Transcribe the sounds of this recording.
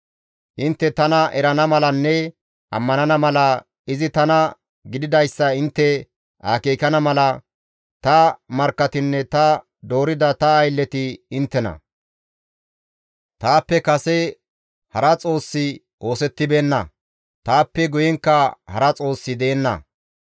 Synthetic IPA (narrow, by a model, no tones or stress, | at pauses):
ʔɪnt̪ːɛt̪ɐnɐʔɛɾɐnɐmɐlɐnːɛ | ʔɐ̰mːɐnɐnɐmɐlɐ | ɪzɪt̪ɐnɐ | ɡɪd̪ɪd̪ɐjsːɐɪnt̪ːɛ | ʔaːkeːkɐnɐmɐlɐ | t̪ɐmɐɾkːɐt̪ɪnːɛt̪ɐ | d̪o̞ːɾɪd̪ɐt̪ɐːjlːɛt̪ɪɪnt̪ːɛnɐ̰ | t̪aːpːɛkɐsɛ | hɐɾɐt͡sʼo̞ːsːɪ | ʔo̞ːsɛt̪ːɪbe̞ːnːɐ̰ | t̪aːpːɛɡʊjɛŋkːɐhɐɾɐt͡sʼo̞ːsːɪd̪eːnːɐ̰